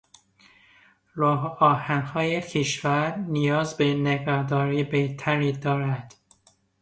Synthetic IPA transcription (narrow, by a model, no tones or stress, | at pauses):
ɾɒːɦɒːhænhɒːjekʰeʃvæɾnijɒːzbeneɡæɾd̪ɒːɾiːbeht̪ʰæɾiːd̪ɒːɾæd̪̥